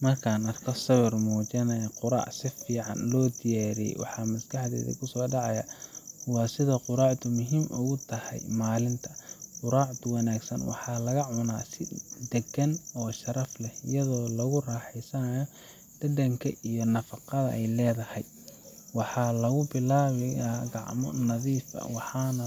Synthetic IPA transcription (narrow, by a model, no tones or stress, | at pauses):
mɐrkʰaːnɐrkʰɔsɐβɪrmuːt͡ʃɐnɐjqʊɾɑ̰ʕsɪfiːʕɑ̰nlɔːd̪ɪjaːɾiɛ̰jwɑ̰ħɑmɐsɡɑħd̪ɛ̰ːðɐ̰kʰʊsɔːɖɑʕɑjɐwɑːsɪðɐqʊɾaːʕd̪ʰʊmʊɦiːmʔʊ̰ɣʊt̪ʰɐhɛ̰jmaːlɪnt̪ʰɐqʊɾaːʕt̪ʰʊwɑnaːɡsɐnwɑ̰ħɑːlɐɣɐʕʊna̰ːsɪd̪ɛɡɐnɔːʃɐɾɐflɛɪ̰jɐðɔːlɐɣʊraːħɛsɐnɐjɔ | d̪̥ɐd̪ɐŋkʰɐ̰ʔijɔnɐfɑqɑðɐ̰ʔɛjlɛːðɐhɛj | wɑħɑːlɐɣʊbɪlaːβɪjaːɡɑʕmɔ̰nɐðiːfɐ̰wɑħɑːnɐ